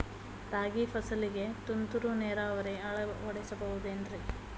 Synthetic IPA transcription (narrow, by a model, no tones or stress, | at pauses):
t̪aːɡipʰɐsɐliɡe̞t̪unt̪uɾuneːɾaːʋɐɾeɐɭɐɐɽisɐbɐɦud̪uendɾi